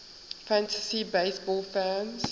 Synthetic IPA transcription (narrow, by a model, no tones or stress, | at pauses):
fæ̃ntʰəsibeɪsbɔlfãms